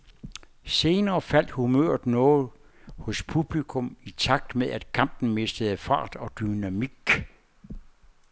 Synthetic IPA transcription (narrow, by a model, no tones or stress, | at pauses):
se̝ːnɐːfæl̰d̥humøɐ̰d̥nɔːð̩ˠ | hɔ̽spʰub̥likʰɔ̽mit͡sʰɑ̈ɡ̥̚d̥meðˠæd̥kʰɑ̈m̰b̥n̩me̝sd̥əð̩ˠəfɑ̰̈ːd̥ɒ̽d̥ynæmiɡ̥